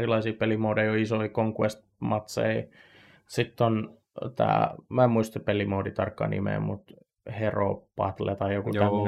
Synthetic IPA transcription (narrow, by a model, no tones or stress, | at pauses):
rilɑisiːpelimoudɑioisoikoŋkuest̪̚ | mɑt̪sḛi | sit̪ːon | t̪æ̰ːmæemmuist̪epelimoːdit̪ɑrkːɑ̰nḭmḛmut̪ | hero̰pɑt̪lḛt̪ɑijokuæo